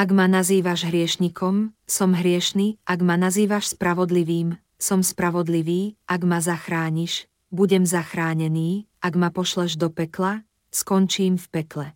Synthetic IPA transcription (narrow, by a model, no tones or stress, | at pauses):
aɡmanaziːʋaʒɦɾɪɛʃɲikʰɔmsɔmɦɾɪɛʃniːʔaɡmanaziːʋaʃspɾaʋɔd̪liʋiːm | sɔmspɾaʋɔd̪liʋiːʔaɡmazaxɾaːɲiʃ | buɟɛmzaxɾaːɲɛniːʔaɡmapɔʃlɛʒd̪ɔpɛkla | skɔnt͡ʃiːmfpɛklɛ